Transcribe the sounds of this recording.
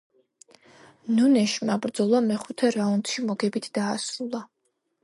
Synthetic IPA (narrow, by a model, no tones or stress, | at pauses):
nunɛʃmabɾd̪zɔlˠamɛχut̪ʰɛɾaunt̪ʃimɔɡɛbit̪ʰd̪̥aːsɾulˠa